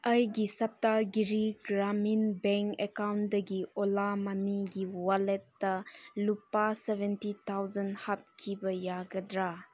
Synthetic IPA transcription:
ɐjɡisɐp̚taɡiɾiɡɾaminbeŋkekawndɐɡiolamaniɡiwaletːɐlupasebʱentitʰawzɐnhap̚kʰibɐjaɡɐdɾa

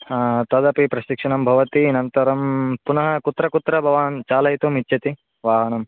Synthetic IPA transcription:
t̪ɐd̪ɐpipɾɐʃikʂɐɳɐmbʱɐʋɐt̪inɐnt̪ɐɾɐmpunɐɦɐkut̪ɾɐkut̪ɾɐbʱɐʋaːnt͡ʃaːlɐɦit̪umit̪ːt͡ʃɐt̪i | ʋaːɦɐnɐm

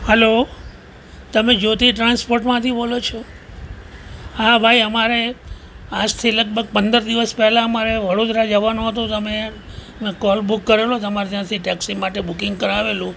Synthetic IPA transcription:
hɛlo | t̪əmed͡ʒot̪iʈɾanspoɾʈmãt̪ʰibolot͡ʃʰɔ | ɦabʱaiəmaɾe | ad͡ʒt̪ʰilək̚bʱəɡ̚pənd̪əɾd̪iʋəspɛɦlãəmaɾeʋəɽod̪ɾad͡ʒəʋanoɦət̪ũt̪əme | kɔlbukːəɾelot̪əmaɾd͡ʒãt̪ʰiʈɛksimaʈebukɪŋɡkəɾaʋelũ

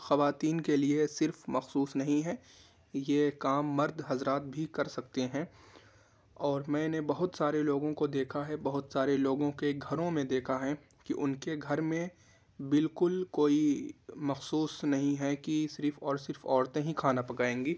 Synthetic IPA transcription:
xɐʋaːt̪iːnkeliesɪɾfmɐxsuːsnɐɦĩɦɛ | jeːkaːmːɐɾd̪ʱɦɐzɾaːt̪̚bʱikɐɾsɐk̚t̪eɦɛ̃ | ɔːɾmɛ̃ːnebɐɦʊt̪saːɾeloːɡõkod̪eːkʰaɦɛbɐɦʊt̪saːɾeloːɡõkeɡʱɐɾõmẽd̪eːkʰaɦɛ̃ | kiʔʊnkeɡʱɐɾmẽ | bɪlkʊlkoːimɐxsuːsnɐɦĩɦɛkisɪɾfɔːɾsɪɾfɔːɾt̪ẽɦĩkʰaːnapɐkaːẽːŋɡiː

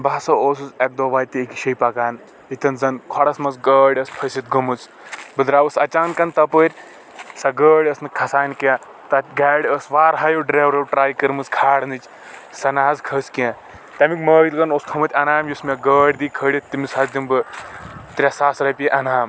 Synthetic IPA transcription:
basɐoːsɨzek̚d̪oːʋaːjt̪iːkʲiʃɐjpɐkaːn | it̪ɐnzɐnkʰɔɽɐsmɐt͡sɡəːɽʲɐspʰɐsʲit̪̚ɡɐmɨt͡s | bɨd̪ɾaːʋɐsɐt͡ʃaːnkɐnt̪ɐpəɾʲ | sɐɡəːɽʲɐsnɨkʰɐsaːnʲkjã | t̪ɐɡaːɽʲəsʋaːɾɦɐjowɖɾeːwɾɐwʈɾaːjkɐɾmɨt͡skʰaːɽnɨt͡ʃ | sɐnaːzkʰɐskijã | t̪ʲɐmikmɐːjit̪kɐnoːsk̪ʰɐmɐt̪ʲɐnaːmjusmʲaɡəːɽʲd̪iːkʰəːɽʲɐt̪imishɐzimbɨ | t̪ɾʲasaːsɾɐpʲiʔɐnaːm

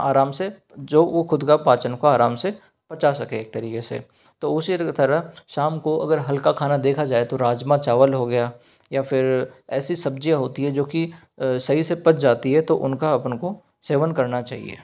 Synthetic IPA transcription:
aːɾaːmse | d͡ʒoːʋoxʊd̪kapaːt͡ʃənkaaːɾaːmse | pɐt͡ʃasɐkeeːk̚t̪ɐɾiːkesḛ | t̪oːʊsit̪ɐɾəɦʃaːmkoʔɐ̰ɡəɾɦɐlkakʰaːnad̪eːkʰad͡ʒaːet̪oɾaːd͡ʒmãt͡ʃaːʋəlɦoɡɐjaː | jafʰɪɾɛːsisɐb̚d͡ʒijãɦoːt̪iɦɛd͡ʒoːki | sɐɦisepɐt͡ʃd͡ʒaːt̪iɦɛt̪oʔʊ̰nkaɐpnko | seːʋənkɐɾnat͡ʃa̰ːɦḭḛː

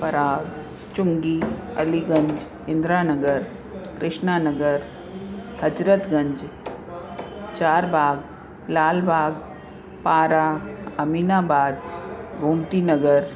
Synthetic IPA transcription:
pɐɾaːɡ | t͡ʃʊŋɡiːɐ̰liɡə̃ɲd͡ʒ | ɪ̃nd̪ɾaːnəɡəɾ | kɾɪʃnaːnəɡəɾ | həd͡ʒɾət̪ɡɐ̃ɲd͡ʒ | t͡ʃaːɾbʱaːɡ | laːlbʱaːɡ | paːɾaɐmiːnaːbaːd̪̚bʱuːmt̪iːnɐɡəɾ

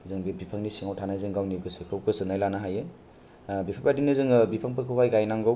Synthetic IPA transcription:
zɯŋbibipʰaŋnisiŋawtʰanajzɯŋɡawnikɯsɯkʰɯwkɯsɯnajlanaɦajɯ | bipʰapadinɯzɯŋbipʰaŋpʰɯɾkʰɯɦajɡajnaŋɡɯw

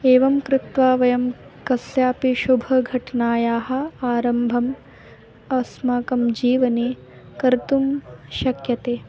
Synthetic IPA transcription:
eːʋɐmkɾɪt̪ʋaːʋɐjɐmkɐsjaːpiʃubʱɐɡʱɐʈnaːjaːɦɐ̆aːɾɐmbʱɐm | ɐɐsmaːkɐmd͡ʒiːʋɐneː | kɐɾt̪umʃɐkjɐt̪eː

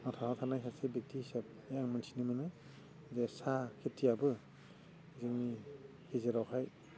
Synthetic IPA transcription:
nɔtʰahɔtʰanajsasebek̚tiisap̚ | jaŋmɯnsʰinɯmɯnɯ | zesakʰetʰːiabɯ | zɯŋni | hezeɾawkʰaj

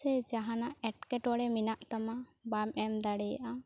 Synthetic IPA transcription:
ɛd͡ʒaɦãnaɛʈkɛʈɔɽɛminaʔt̪amabamɛmd̪aɽɛja̰ʔa

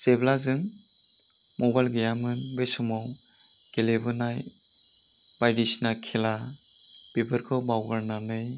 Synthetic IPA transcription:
seblazɯŋ | mɔbajlɡejamɯnbesɔmaw | kelebɯnaj | b̥ajdisnakʰela | b̥ibɯɾkʰɯbawɡaɾnanɯj

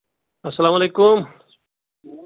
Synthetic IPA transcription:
ɐsːɐlaːmaleːkʊm

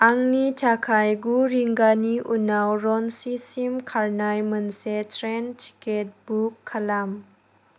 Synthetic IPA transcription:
aŋnitʰakʰajɡuɾiŋɡaniʔunawɾɔnsisimkʰaɾnajmɯnsetʰɾɛntʰi̥ket̚bukʰːalam

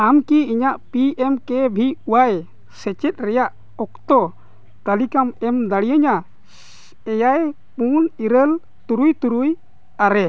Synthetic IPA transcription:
amkiiɲaʔpiɛmkɛbʱiuwaɛ | sɛt͡ʃɛt̪̚ˀɾɛjaʔ | ɔk̚t̪ɔ | k̪əlikamɛmd̪aɽijəɲa | ɛjaj | puniɾəl | t̪uɾujt̪uɾuj | aɾɛ

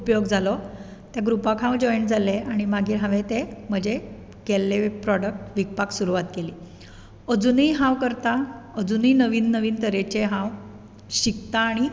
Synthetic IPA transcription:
upjoɡd͡zalɔ | t̪jaɡɾupakɦãwd͡ʑɔjɳd͡zaleaɽ̃imaɡiːɾɦãʋet̪em̤əd͡ʑe | kelːepɾɔɽək̚ʈʋik̚paksuɾuʋat̪keliː | əd͡zuniijɦãwkəɾt̪aəd͡zuninəʋiːnːəʋiːnt̪əɾet͡ɕeɦãʋ | ɕikt̪aːɽ̃i

